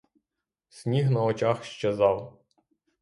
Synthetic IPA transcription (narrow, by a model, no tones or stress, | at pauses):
sʲnʲiɦnɐɔt͡ʃɑxʃt͡ʃezɑw